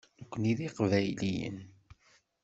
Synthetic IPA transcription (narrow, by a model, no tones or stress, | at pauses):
nkʷːəniðiqvæjlijə̰n